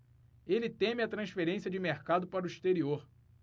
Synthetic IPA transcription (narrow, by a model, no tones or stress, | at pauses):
elɪt̪ẽmɪɐt̪ɾɐ̃sfeɾẽsiɐd͡ʒɪmeɾkad̪ʊpaɾʊiʃt̪eɾioɾ